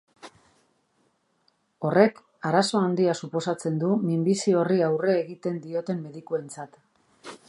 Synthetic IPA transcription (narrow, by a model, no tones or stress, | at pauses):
o̞re̞k | aɾaso̞and̪iasupo̞sat͡se̞nd̪umimbisio̞riawre̞ːɣit̪e̞nd̪io̞t̪e̞mːe̞ðikue̞nt͡sat̪